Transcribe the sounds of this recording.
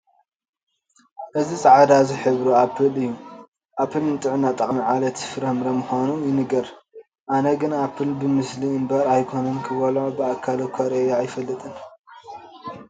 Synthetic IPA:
ʔɨzisʼaʕad̪azɨħɨβɾuapʰːɨlɨjːu | ʔapʰːɨlnɨt̪ʼɨʕunat̪ʼɐkʼmiʕalɐt̪fɨɾɐhmɾɐmɨxanujɪnɨɡɐɾ | ʔanɐɡɨnapʰːɨlbɨmɨsliɨmbɐɾajkʰonɨnkʰɨβɐlobɨakʰːalokʰoɾeɾaːjfɐlːɨt̪ʼɨn

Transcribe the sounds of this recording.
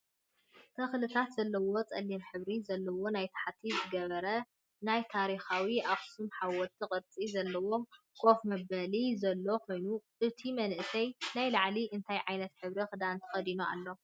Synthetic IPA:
t̪ʰɐxlɨt̪ʰat̪z̥ɐlːɐwo̞t͡sʼɐlːimħɨβɾizɐlːɐwo̞najt̪ʰḁħat̪ʰːizɨɡɐβɐɾɐ | najt̪ʰaɾixawiʔaxʼsumħawɔt̪ʰːikʼɨɾt͡sʼizɐlːɐwo̞m | kʰo̞fmɐβɐlizɐlːo̞kʰo̞jnuʔɨt̪ʰimɐnʔsʰɐjnajlaʕliʔɨnt̪ʰajʕajnɐt̪ħɨβɾixɨd̪ant̪ʰɨ̥xʼɐd̪inoa̰lːo̞

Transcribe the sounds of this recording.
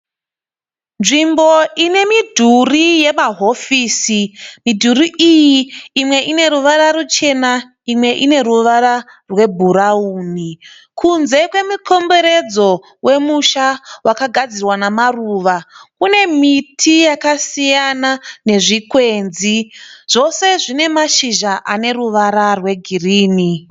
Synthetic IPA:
nʐimbo̞ine̞midʱurije̞maɦo̞fiːsimidʱuriʔijiimwe̞ʔine̞ɾuʋaɾaɾut͡ʃe̞na | imwe̞ʔine̞ɾuʋaɾa | rwe̞bʱuɾauːni | kʰunze̞kwe̞muko̞mbe̞ɾe̞d͡zo̞ | we̞muʃawʔakaɡʱad͡zirwanamaruːʋakune̞mitʰijakasijanane̞ʐikwe̞nziʐ̥o̞se̞ʐine̞maʃiʒaʔane̞ɾuʋaɾarwe̞ɡʱiriːni

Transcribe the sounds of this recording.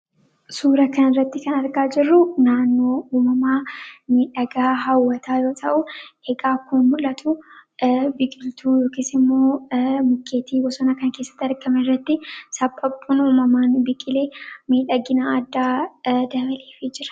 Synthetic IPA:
suːɾɐkɐnɪrːɐt̪ːɪkɐnɐɾɡaːd͡ʒɪrːʊnaːnːoːuːmɐmaːmiːᶑɐɡaːɦɐwːɐt̪ʰaːjo̞ːt̪ʰɐʔʊhɛɡaːkʊnmʊlɐt̪ʰʊ | bɪkʼɪlt̪ʰuːjo̞ːkeːsɪmːo̞ːmʊkʰːeːt̪ʰiːwɔsɔnɐkɐnke̞ːsːɐ̥t̪ːɐɾɡɐmɛrːɐt̪ːɪsɐpʼːɐpʼːuːnuːmɐmaːnbɪkʼɪleːmiːᶑɐɡɪnaɐd̪ːaːd̪ɐbɐleːfid͡ʒɪɾɐ̥

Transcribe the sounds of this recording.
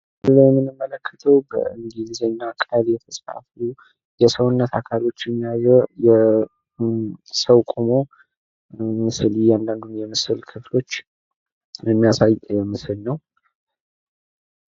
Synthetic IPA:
lajɛmːɨnɨmːələkʰːə̥t̪ʰəwbə̰ɨŋɡilizəɲːakʼaljɛt̪ʰəsʼfa̰flu | jɛsəwʊnːət̪ʰakʰalo̞t͡ʃːjɛmːijazɛjɛ | səwkʼumo̞ | mɨslijand̪and̪unjɛmɨsɨlkʰɨflo̞t͡ʃː | jɛmːijasajjɛmɨsɨlnəw

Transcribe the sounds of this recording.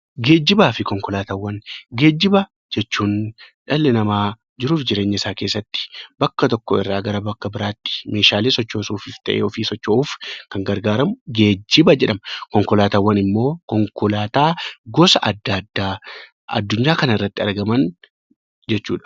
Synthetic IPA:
ɡe̞ːd͡ʒːɪbaːfɪkɔŋkɔlaːt̪aːwːɐnɡe̞ːd͡ʒːɪbɐ | d͡ʒɛt͡ʃːuːnᶑɐlːɛnɐmaː | d͡ʒɪɾuːfd͡ʒɪɾeːɲːɐɪsaːke̞ːsːɐt̪ːɪ̥bɐkːɐt̪ɔkːɔɪ̰rːaːɡɐɾɐbɐkːɐbɪɾaːt̪ːɪ̥me̞ːʃaːleːsɔt͡ʃːoːsuːfɪft̪ɐ̰ʔḛːɔfiːsɔt͡ʃːouːfkɐŋɡɐɾɡaːɾɐmʊɡeːd͡ʒːɪbɐd͡ʒɛᶑɐmɐkɔŋkɔlaːt̪aːwːɐnɪmːo̞ːkɔŋkɔlaːt̪aːɡɔsɐʔɐd̪ːad̪ːaː | ɐ̰d̪ːʊɲːaːkɐnɐɪrːɐt̪ːɪɐɾɡɐmɐn | d͡ʒɛt͡ʃːṵːᶑɐ̥

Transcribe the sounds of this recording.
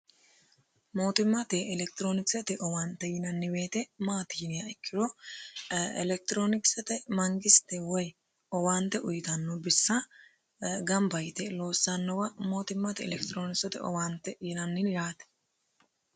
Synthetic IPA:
mo̞ːt̪ɪmːɐt̪ɛʔɛlɛk̚t̪ɪɾoːnɪksɛt̪ɛʔɔwaːnt̪ːɛjɪnɐnːɪweːt̪ɛmaːt̪iːnɪjɐɛkʰːɪɾɔ | ɛ̰lɛk̚t̪ɾoːnɪksɛt̪ɛmɐŋɡɪst̪ɛwɔj | ɔwaːnt̪ɛʔʊjɪt̪ɐnːɔbɪsːɐ | ɡɐmbɐjt̪ɛlo̞ːsːɐnːɔwɐmo̞ːt̪ɪmːɐt̪ɛɛ̰lɛkt̪ɪɾoːnɪksɛt̪ɛ̰ʔɔ̰waːnt̪ɛjɪnɐnːɪnjaːt̪ɛ̥

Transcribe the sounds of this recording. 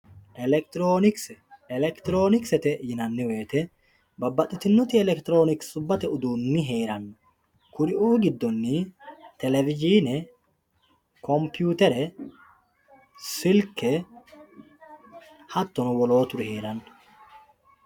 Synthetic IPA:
ʔɛlɛkt̪ɾoːnɪksɛlɛkt̪ɪɾo̞ːnɪksɛt̪ɛʔjɪnɐnːɪwe̞ːt̪ɛ | bɐbːɐt̪ʼːɪt̪ɪnːʊt̪ɪɛlɛkt̪ɪɾo̞ːnɪkssʊbːɐt̪ɛʊd̪uːnːɪɦe̞ːɾɐnːʊ | kʊɾɪʔuːɡɪd̪ːɔnːit̪ɛlɛvɪd͡ʒiːnɛ | kɔmpjuːt̪ɛɾɛ | sɪlkɛ | hɐt̪ːɔnʊwɔlo̞ːt̪ʊɾɪhe̞ːɾɐnːʊ̥

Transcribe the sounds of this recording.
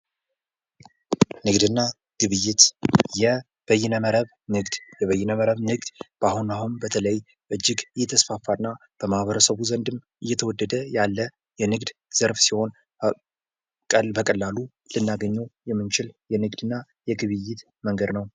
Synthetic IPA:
nɨɡd̪ɨnːa | ɡ̥ɨβɨjːɪt̪jɛ | b̥əjːɪnəməɾəβ | nɨɡd̪jɛβəjːɪnəməɾəβnɨɡd̪b̥ahunahunbət̪ʰələjəj | ʔɨd͡ʒːɪɡɨjːɛt̪ʰəsfafːanːa | b̥əmahβəɾəsəβuzənd̪ɨmʔɨjːɛt̪ʰəwɔd̪ːəd̪əjalːə | jɛnɨɡd̪z̥əɾfsiho̞n | kʼəlbəkʼəlːalu | lɨnːaɡəɲːowjɛmːɨnt͡ʃɪljɛnɨɡd̪ɨnːa | jɛɡɨβɨjːɪt̪ | məŋɡəd̪nəw

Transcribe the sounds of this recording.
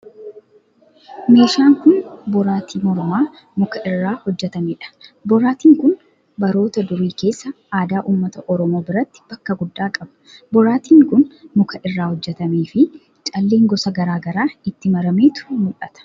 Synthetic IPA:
me̞ːʃaːŋkʊnbɔɾaːt̪iːmɔɾmaː | mʊkɐʔɪrːaːhɔd͡ʒːɛt̪ɐmeːᶑɐ̥bɔɾaːt̪iːŋkʊn | bɐɾo̞ːt̪ɐd̪ʊɾiːke̞ːsːɐ | aːd̪aːʔuːmːɐt̪ɐʔɔɾɔmoːbɪɾɐt̪ːɪ̥b̥ɐkːɐɡʊd̪ːaːkʼɐbɐ̥bɔɾaːt̪iːŋkʊnmʊkʰɐʔɪrːaːhɔd͡ʒːɛt̪ɐmeːfɪ | t͡ʃʼɐlːe̞ːŋɡɔsɐɡɐɾaːɡɐɾaːɪt̪ːɪmɐɾɐmeːt̪ʊ̥mʊlɐt̪ɐ̥

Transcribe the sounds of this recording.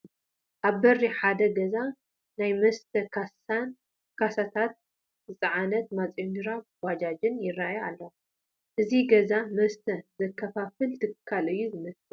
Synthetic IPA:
ʔaβbɐrːiħad̪ɐɡɐza | najmɐst̪ʰɐkʰa | n | kʰasat̪ʰat̪̚ | zɨt͡sʼɐʕanɐt̪̚mat͡sʼjond̪ɨɾawad͡ʒad͡ʒɨnjɪrːajalːɐw | ʔɨziɡɐzamɐst̪ʰɐzɐkʰːɐfafɨlt̪ʰɨkʰːalɨjːuzɨmɐst̪ʼɨ

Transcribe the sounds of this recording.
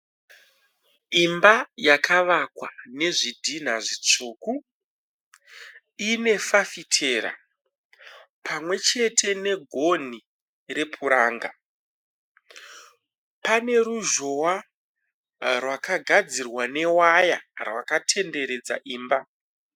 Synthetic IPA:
imbajakʰaʋakwane̞ʐidʱin̤aʐit͡ʂuːku | ine̞fafitʰeːɾa̰ | pʰamwe̞t͡ʃe̞tʰe̞ne̞ɡʱo̞n̤i | re̞pʰuɾaːŋɡa | pane̞ɾuʒo̞wa | rwakaɡʱad͡zirwane̞waja̰rwakatʰe̞nde̞ɾe̞d͡za̰ʔiːmba

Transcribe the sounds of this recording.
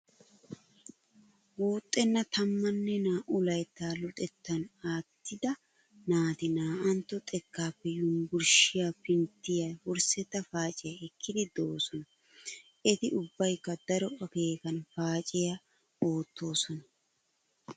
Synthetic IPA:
wuːt̪ʼːɛnːɐt̪ɐmːɐnːɛnaːʔʊlɐjt̪ːaːlɔt̪ʼɛt̪ːɐnaːt̪ːɪd̪ɐ | naːt̪ɪnaːʔɐnt̪ːɔt̪ʼɛkːaːpːɛjʊmɡʊɾʃɪjapɪnt̪ːɪjawɔɾsɛt̪ːɐfaːt͡ʃʼɪjɐɛkːɪd̪ɪd̪o̞ːsɔnɐ | ʔɛt̪ɪʔʊbːɐjkːɐd̪ɐɾɔʔɐkeːkɐnfaːt͡ʃʼɪja | oːt̪ːo̞ːsɔnɐ

